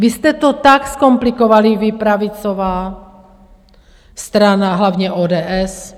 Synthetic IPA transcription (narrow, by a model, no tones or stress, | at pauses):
ʋiscɛt̪ɔt̪akskɔmplikɔʋaliʋipɾaʋit͡sɔʋaː | st̪ɾanaɦlaʊɲɛʔɔːd̪ɛːɛs